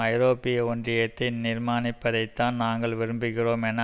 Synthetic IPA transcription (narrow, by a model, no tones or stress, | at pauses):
ɐɪɾoːpːɪjɐɔndrɪjɐt̪ːɐɪnɪɾmaːnɪpːɐðɐɪt̪ːaːnnaːŋɡɐɭʋɪɾɯmbɯɣɪroːmɛnːɐ